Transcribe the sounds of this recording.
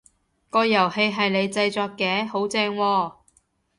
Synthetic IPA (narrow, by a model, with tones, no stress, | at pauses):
kɔː˧jɐ˨˩whe˧jɦɐ˨jle˨˧jt͡sɐ˧jt͡sɔː˧kːɛː˨˥ho˨˥wt͡sɛː˧ŋwɔː˧